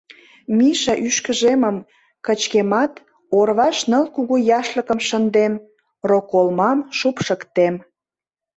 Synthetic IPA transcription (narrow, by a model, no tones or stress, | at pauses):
miʃɑʔyʃkə̆ʒeməm | kət͡ɕkemɑt̪ | orβɑʃnə̆lkuɣujɑʃləkə̆mʃənd̪em | rokolmɑmʃupʃəkt̪em